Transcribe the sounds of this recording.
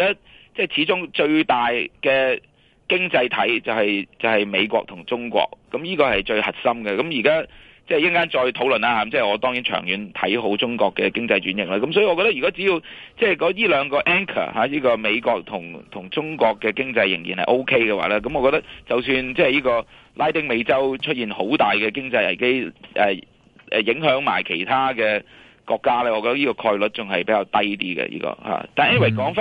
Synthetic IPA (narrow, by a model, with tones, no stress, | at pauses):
kaː˥ | t͡sɛː˥˩t͡sʰiː˨˥t͡ʃʊ˥ŋt͡ʃɵ˧ɥt̪aː˨˩jkɛː˧ | kɪ˥ŋt͡sɐ˧jt̪ʰɐ̰˨˥jt͡sɐ˨whɐ˨jt͡sɐ˨˩whɐ˨jme˨˧jkʷɔ̰ː˧k̚t̪ʰʊ˨˩ŋt͡sʊ˥ŋkʷɔ̰ː˧k̚ːɐ˨˦mjiː˥kɔː˧hɐ˨˩jt͡ʃɵ˧ɥhɐ˨t̚sɐ˥mɡɛ˨kɐ˨˦mji˨˩kaː˥ | t͡sɛː˥˨jɪ˥ŋkaː˥nt͡ʃɔː˧jt̪ʰo˨˥wlɵ˨naː˥haː˨˦mt͡sɛː˥˩ɔː˨˧t̪ɔː˥ŋji˨˥nt͡ʃʰœ̰ː˨˩ŋjyː˨˦nt̪ʰɐ̰˨˥jɦo˨˥wt͡sʊ˥ŋkʷɔː˧kːɛ˧kɪ˥ŋt͡sɐ˧jt͡ʃyː˨˥njɪ˨k̚laː˥kɐ˦msɔː˨˧˥ji˧ŋɔ˧kɔ˧t̪ɐ˥iː˨kaː˥t͡si˨˥ji˧wt͡sɛː˥˩kɔː˨˥jiː˥lœː˨˧ŋkɔː˧ʔɛː˥ŋkʰɐ̰˨˩haː˨˧˦jiː˥kɔː˧me˨˧jkʷɔː˧k̚t̪ʰʊ˨˩ŋt̪ʰʊ˨˩ŋt͡sʊ˥ŋkɔː˧kːɛː˧kɪ˥ŋt͡sɐ˧jːɪ̰˨˩ŋjiː˨˩nhɐ̰˨jʔo˥wkʰe˥jkɛ˧waː˨˧˥lɛː˥kɐ˦mɔ˧kɔː˧kt̪ɐ˥k̚t͡sɐ˨wsyː˧nt͡sɛː˥jiː˥kɔː˧ | laː˥jt̪ɪ˥ŋme˨˧jt͡sɐ˥wt͡ʃʰɵ˥t̚jiː˨nho˨˥wt̪aː˨˩jkɛː˧kɪ˥ŋt͡sɐ˧jɐ̰˨˩jke˥jʔɛ̰ː˨ | ʔɛː˨˩jɪ˨˥ŋɦœː˨˥ŋma̰ː˨˩jkʰe˨˩jt̪ʰaː˥kɛː˧ | kɔː˧kːaː˥lɛː˥ɔː˨˧kɔ˧t̪ɐ˥jiː˥kɔː˧kʰɔː˧jlɵ˨˥t̚t͡sʊ˨ŋɦɐ˨jpe˨˥kaː˧wt̪ɐ˥jt̪ḭː˥ɡɛ̰˧jḭ˥kɔ̰ː˧ha̰ː˨t̪aː˨nʔɛ˥ni˨we˨˩kɔː˨˥ŋf